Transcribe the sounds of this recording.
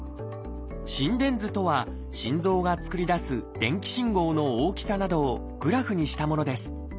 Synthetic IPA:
ɕĩnd̪ẽ̞nd͡zɨt̪o̞βa | ɕĩnd͡zo̞ːɡat͡sɨ̥kɯ̟ɾʲid̪asɨd̪̥ẽ̞ŋkʲi̥ɕĩŋɡo̞ːno̞oːkʲi̥sanad̪o̞ː | ɡ̥ɯ̟ɾaɸɯ̟ɲ̟iɕi̥t̪amono̞d̪e̞sɨ̥

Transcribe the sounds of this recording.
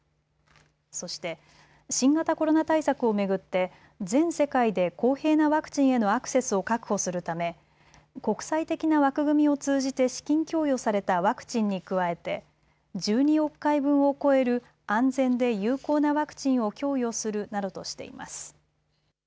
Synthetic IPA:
so̞ɕi̥t̪e̞ | ɕĩŋɡat̪ako̞ɾo̞nat̪aisakɯ̟o̞me̞ɡɯ̟t̪ːe̞ | zẽ̞ɰ̃se̞kaid̪e̞ko̞ːhe̞ːnaβakɯ̟̥t͡ɕĩɰ̃e̞no̞akɯ̥se̞sɨo̞kakɯ̟̥ho̞sɨɾɯ̟t̪ame̞ | ko̞kɯ̟̥sait̪e̞kʲinaβakɯ̟ɡɯ̟mʲio̞t͡sɨːʑit̪e̞ɕi̥kʲĩŋkʲo̞ːjo̞saɾe̞t̪aβakɯ̟̥t͡ɕĩɲ̟ːikɯ̟βae̞t̪e̞ | d͡ʑɨːɲ̟io̞kːaibɯ̟̃ɰ̃o̞ko̞e̞ɾɯ̟ | ãnd͡zẽ̞nd̪e̞jɯ̟ːko̞ːnaβakɯ̟̥t͡ɕĩɰ̃o̞kʲo̞ːjo̞sɨɾɯ̟nad̪o̞t̪o̞ɕi̥t̪e̞̰ḭma̰sɨ̥

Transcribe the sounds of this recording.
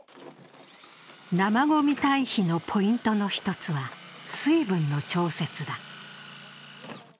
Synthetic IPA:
namaɡo̞mʲit̪aiçino̞pʰo̞ĩnt̪o̞no̞çi̥t̪o̞t͡sɨβasɨibɯ̟̃nːo̞t͡ɕo̞ːse̞t͡sɨd̪a

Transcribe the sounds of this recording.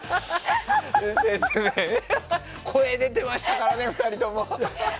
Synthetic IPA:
sẽsesɨ̥kɯme | kʰo̞e̞d̪e̞t̪e̞maɕi̥t̪akaɾane̞ɸɯ̟̥t̪aɾʲit̪o̞mo̞

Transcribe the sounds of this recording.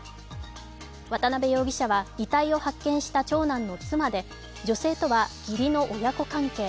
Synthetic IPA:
βat̪anabe̞jo̞ːɡʲiɕaβaɡʲit̪aio̞hakːẽ̞ɰ̃ɕi̥t̪at͡ɕo̞ːnãnːo̞t͡sɨmad̪e̞ | d͡ʑo̞se̞ːt̪o̞βaɡ̥ʲiɾʲino̞ʔojako̞kãŋke̞ː

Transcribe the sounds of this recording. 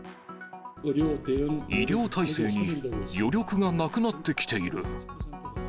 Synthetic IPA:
ɾʲoiɾʲo̞ːt̪ʰaise̞ːɲijo̞ɾʲo̞kɯ̟ɡanakɯ̟nat̪ːe̞kʲi̥t̪e̞iɾɯ̟̰

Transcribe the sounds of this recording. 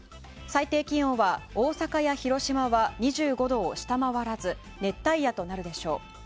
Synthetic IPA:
sait̪e̞ːkʲĩɰ̃oβaoːsakajaçiɾo̞ɕimaβaɲ̟iʑɨːɡo̞d̪o̞ːɕi̥t̪amaβaɾazɨ | ne̞t̪ːaijat̪o̞naɾɯ̟d̪e̞ɕo̞̰ː

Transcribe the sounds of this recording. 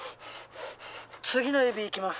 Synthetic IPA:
t͡sɨɡʲino̞jobʲiːkʲimas

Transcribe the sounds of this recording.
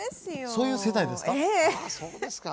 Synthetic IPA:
so̞ːjɯ̟ːse̞d̪aid̪e̞sɨ̥ka | s

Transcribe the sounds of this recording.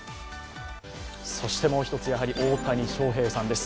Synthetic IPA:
so̞ɕi̥t̪e̞mo̞ːçi̥t̪o̞t͡sɨjaɦaɾʲiʔo̞ːt̪aɲ̟iɕo̞ːɦe̞ːsãnd̪e̞sɨ̥

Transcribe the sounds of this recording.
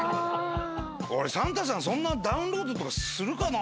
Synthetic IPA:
o̰ɾesãŋt̪as̬ãs̬õ̞nːad̪aɯ̟̃nɾo̞ːd̪o̞t̪o̞kasɨɾɯ̟kana

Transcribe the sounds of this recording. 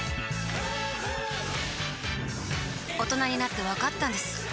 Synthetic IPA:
o̞t̪o̞naɲ̟inat̪ːe̞βakat̪ːãnd̪e̞sɨ̥

